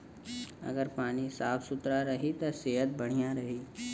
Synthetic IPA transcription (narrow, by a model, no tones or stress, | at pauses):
ɐ̰ɡəɾpaːnisaːpʰsʊt̪ɾaɾɐɦit̪ɐseːɦət̪̚bɐɽ̤̃ijaɾɐɦiː